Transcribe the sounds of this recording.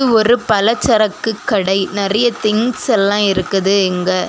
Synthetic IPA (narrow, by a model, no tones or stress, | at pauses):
ɯɔɾɯpɐlɐt͡ʃːɐɾɐkːɯkːɐɽɐɪnɪrɐjɐt̪ɪŋsɛlːãːɪɾɯkːɐðɯɛŋɡɐ